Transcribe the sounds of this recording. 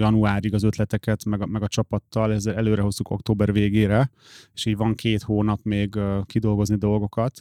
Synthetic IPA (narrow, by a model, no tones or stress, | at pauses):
jɒnuaːɾiɡɒzøt̪lɛt̪ɛkɛt̪mɛɡmɛɡɒt͡ʃɒpɒt̪ːɒlɛzːɛlɛløːɾɛɦo̞zːuko̞̰kt̪oːbɛrveːɡeːɾɛ | eʃiːɟʋɒŋkʰeːt̪hoːnɒpmeːɡkid̪o̞lɡo̞znid̪o̞lɡo̞kɒt̪